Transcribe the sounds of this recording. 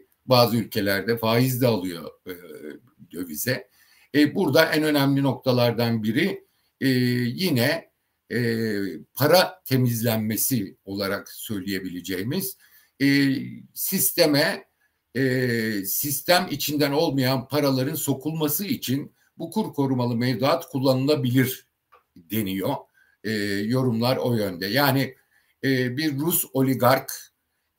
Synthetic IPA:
baːzɯylʲcʰe̞lʲæɾd̪ɛfaːjizd̪ɛalˠɯjo̞̰ | d̪ø̞vizɛ | buɾd̪aʔænø̞næmlʲino̞k̚t̪ʰalˠaɾd̪anbiɾi | jinɛ | pʰaɾat̪ʰe̞mizlʲænmesio̞lˠaɾaksø̞jlʲije̞bilʲe̞d͡ʒejmiz̥ | sist̪ʰe̞mɛ | sist̪ʰæmit͡ʃʰind̪æno̞lˠmajanpʰaɾalˠaɾɯnso̞kʰulˠmasɯit͡ʃʰin | bukʰuɾkʰo̞ɾumalˠɯmɛvd̪at̪kʰulˠːanɯlˠabilʲiɾ | d̪e̞nijo̞ | ɛːjo̞ɾumlˠaɾo̞jønd̪ɛjaːni | ɛːbiɾːuso̞lʲiɡaɾk

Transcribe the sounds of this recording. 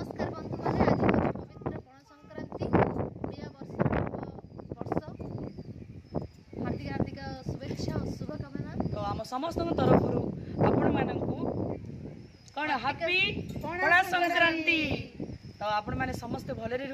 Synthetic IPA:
skaɾbɔnt̪ɔmanead̪iɔpɔbit̪ɾɔpɔɽ̃ɔsɔŋkɾant̪imiabɔɾs | bɔɾsɔ | ɦat̪iɾaɾt̪ikasuɾekʃʰasubʱɔkamat̪ɔwamɔsɔmɔst̪ɔŋkɔt̪ɔɾɔpʰɔɾuapɔɽ̃ɔmanɔŋku | kɔɽ̃ɔɦapiɔɽ̃asɔŋkɾant̪i | t̪ɔwapɔɽ̃ɔmanesɔmɔst̪ebʱɔleɾiɾ

